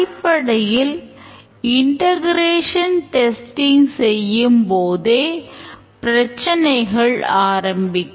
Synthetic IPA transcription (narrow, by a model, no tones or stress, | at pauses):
ɪpːɐɽɐjɪl | ɪɳʈɐɣɪɾeːʂɐnʈɛsʈɪŋɡsɛjːɯmpoːðeːpɪɾɐt͡ʃːɐnɐɪɣɐɭaːɾɐmbɪkː